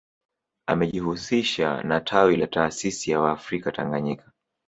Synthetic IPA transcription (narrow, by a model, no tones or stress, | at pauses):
a̰mɛʄihusiʃa̰natʰawilataːsisijawaːfɾikataŋɡaɲikḁ